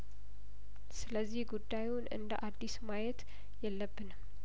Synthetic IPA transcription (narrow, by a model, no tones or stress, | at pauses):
sɨləzːihɡud̪ːajunɨ̰nd̪əʔad̪ːismajɛt̪ | jɛlːəbːɨnəm